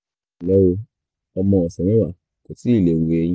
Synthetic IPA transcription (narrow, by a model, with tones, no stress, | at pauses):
lɛ˦wo˧ | ɔ˧mɔ̃˧ɔ˨sɛ̃˨ɾ̃ẽ˦wa˨ | ko˨ti˨˦i˦˨le˨wo˨e˧jĩ˧